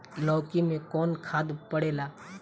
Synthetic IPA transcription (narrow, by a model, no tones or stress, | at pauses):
lɔːkimẽkɔːnkʰaːd̪pɐɽeːlaː